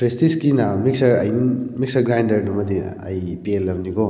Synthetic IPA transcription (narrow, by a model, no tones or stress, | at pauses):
pɾestiskinamiksɐɾɐ̰jmik̚sɐɾɡɾajndɐɾnɐmɐd̪iɐ̰jpielːɐmniɡo